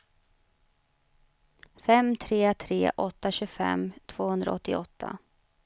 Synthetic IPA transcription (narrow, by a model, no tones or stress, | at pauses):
fɛmt̪ʰɾeːt̪ʰɾḛːʔɔt̪ːaɕɵɡfɛ̰mt̪ʰv̥oːhɵnd̪ɾa̰ɔt̪ːɪɔt̪ʰːa̰